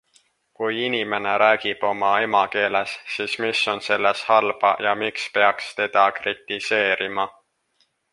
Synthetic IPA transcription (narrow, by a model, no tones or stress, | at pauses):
kujinime̞neɾæːɡ̥ib̥o̞mɑe̞mɑke̞ːlesːismiso̞nse̞lːeshɑlb̥ɑjɑmikspe̞ɑkst̪e̞d̪̥ɑkrit̪ːˑise̞ːɾimɑ